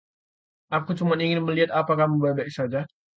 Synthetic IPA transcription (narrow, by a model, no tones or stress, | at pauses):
ʔakut͡ʃumaniŋɪnməliɦat̪apakahməbabaʔisad͡ʒa